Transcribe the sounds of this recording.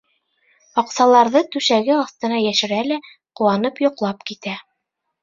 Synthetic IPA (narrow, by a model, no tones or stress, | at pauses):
ɑqsɑlˠɑɾðɤt̪ʉʃæɡɘɑθt̪ɤ̆nɑjæʃɘ̆ɾælæ | quwɑnɤpjŏqlˠɑpkit̪æ